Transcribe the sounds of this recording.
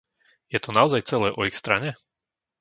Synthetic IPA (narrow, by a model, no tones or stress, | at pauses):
jɛt̪ɔnaɔzajt͡sɛlɛːʔɔixst̪ɾaɲɛ